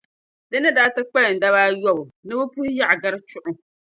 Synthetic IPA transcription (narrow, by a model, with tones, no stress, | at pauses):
dɨ˦nɨ˦daː˦tɨ˦k͡pɛ˦lɨ˨n̩˨da˦βaː˦jɔ˦˨ʊ˨nɨ˦bɨ˦pu˦ja˦ʔa˨ɡa˦ɾɨ˦t͡ʃʊ˦˨ʔʊ˦